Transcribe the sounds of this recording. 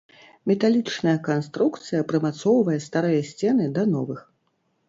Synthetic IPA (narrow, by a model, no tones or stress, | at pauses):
mʲɛt̪alʲit͡ʂnɐjɐkanst̪ɾukt̪sɨjɐpɾɨmat̪sɔwvɐjɛst̪aɾɨjɐsʲt͡sʲɛnɨd̪ɐnɔvɨx